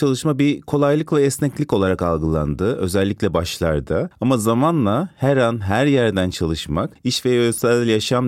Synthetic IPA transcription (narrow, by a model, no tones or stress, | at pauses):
t͡ʃʰalˠɯʃmabikʰo̞lˠajlˠɯklˠaɛsnɛclʲico̞lˠaɾakalˠɡɯlˠa̰nd̪ɯø̞zɛlʲːiclʲɛbaʃlˠa̰ɾd̪ɯamazamanlˠahæɾanɦæɾjæɾd̪ænt͡ʃʰalˠɯʃmakiʃvɛøsɛlʲjaʃam